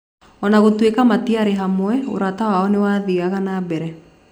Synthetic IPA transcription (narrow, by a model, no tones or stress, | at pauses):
ɔnaɣotwekamatiaɾeɦamwɛo̰ɾatawaɔnewaðiɣaɣanabɛɾɛ